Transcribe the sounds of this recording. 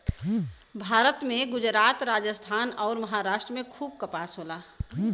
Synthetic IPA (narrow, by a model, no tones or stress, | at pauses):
bʱaːɾət̪mẽɡʊd͡ʒɾaːt̪ɾaːd͡ʒəst̪ʰaːnɔːɾməɦaːɾaːʃʈɾəmẽkʰuːb̚kəpaːsɦoːlaː